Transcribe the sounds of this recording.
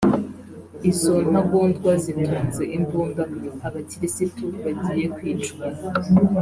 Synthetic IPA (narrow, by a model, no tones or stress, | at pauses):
isonhaɡuːndɡwazitʰuːnzeʔimbuːndaaβaciɾisituβaɟije̞kwiːt͡ʃɡa